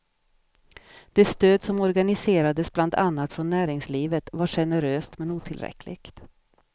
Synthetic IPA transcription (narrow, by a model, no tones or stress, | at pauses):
d̪̥ɛst̪øːd̪sɔmɔɾɡanɪseːɾad̪əsbland̪anːat̪fɾɔnːæːɾɪŋsliːvət̪vaɧɛnəɾøːst̪mɛnuːt̪ʰɪlɾɛ̰klɪ̰ɡt̪